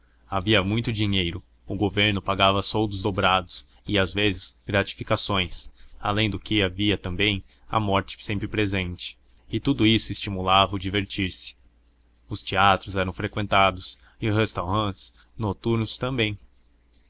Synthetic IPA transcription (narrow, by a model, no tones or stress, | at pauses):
aviɐmũj̃t̪ʊd͡ʒiɲejɾʊ | ʊɡoveɾnʊpaɡavɐsowd̪ʊzd̪obɾad̪ʊs | ɪazvezɪz̥ɡɾat͡ʃi̥fikasõj̃sa̰lẽj̃d̪ʊkɪaviɐt̪ɐ̃mbẽj̃ | ɐ̰mɔɾt͡ʃɪ̥sẽmpɾɪpɾezẽnt͡ʃɪ̥ː | t̪ud̪ʊisʊɪst͡ʃimulavɐʊd͡ʒiveɾt͡ʃiɾsɪ̥ | ʊst͡ʃiat̪ɾʊzɛɾɐ̃w̃fɾekwẽnt̪ad̪ʊs | ɪʊest̪awɾɐ̃nt͡ʃɪ̥s | not̪uɾnʊst̪ɐ̃mbẽj̃